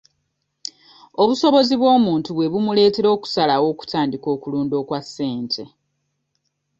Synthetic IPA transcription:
o̞βuso̞βo̞ziβwo̞ːmuːntuβwe̞βumule̞ːte̞ɾo̞ːku̥salawo̞ːku̥tʰaːndiko̞ːkuluːndo̞ːkwasːe̞ːntʰe̞

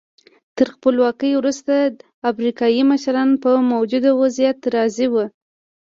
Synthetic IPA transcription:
t̪əɾxpəlwɑkəjwɾust̪a | afɾikɑjiməʃɾɑnpəmowd͡ʒud̪awazijat̪ɾɑziwə

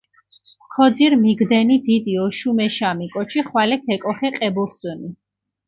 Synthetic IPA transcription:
kʰɔd̪ziɾmiɡd̪ɛnid̪id̪iɔʃumɛʃamikʼɔt͡ʃʰiχwalɛkʰɛkʼɔχɛqʼɛbuɾsəni

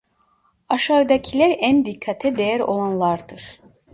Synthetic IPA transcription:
aʃaɯd̪acʰilʲæɾænd̪ikʰːat̪ʰɛd̪ejæɾo̞̰lˠanlˠaɾd̪ɯɾ̥

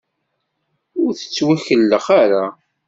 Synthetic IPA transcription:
ʊɾθə̥t͡sːwæçəlːəχaɾa

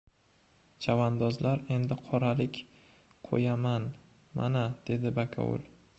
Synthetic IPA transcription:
t͡ʃʰavand̪ɒzlaɾe̞nd̪ɪqʰɒɾalɪkʲ | qʰo̰jaman | ma̰nad̪̥e̞d̪ɪbakʲʰa̰ṵlˠ

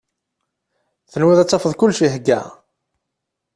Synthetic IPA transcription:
θənwiðˤæt͡sːɑfəðˤkʊlːʃiɦɡːæ̰

